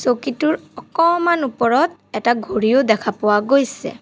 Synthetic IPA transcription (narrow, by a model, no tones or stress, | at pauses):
sokituɹɔkɔmanupɔɹɔt | ɛtaɡʱoɹijodɛkʰapʊwaɡojsɛ̰